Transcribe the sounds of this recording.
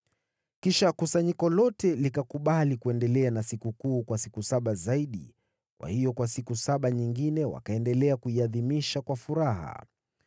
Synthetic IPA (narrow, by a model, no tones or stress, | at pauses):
kiʃakusaɲikɔlɔtɛlikakuɓalikuɛndɛlɛanasikukuːkwasi̥kusaɓazaiɗi | kwʔa̰hijɔkwasikusaɓaɲiŋɡinɛwa̰kaɛndɛlɛakuiaðimiʃakwafuɾaɦa̰